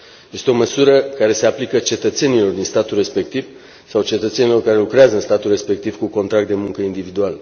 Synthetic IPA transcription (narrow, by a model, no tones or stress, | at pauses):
je̞st̪eo̞məsuɾəkaɾe̞se̞aplikət͡ʃe̞t̪ət̪se̞nilo̞rd̪inst̪at̪ulre̞spe̞k̚t̪iv | sawt͡ʃe̞t̪ət̪se̞nilo̞rkaɾe̞lukɾeazəɨnst̪at̪ulre̞spe̞k̚t̪ivkuko̞nt̪ɾak̚t̪d̪e̞muŋkəind̪ivid̪ual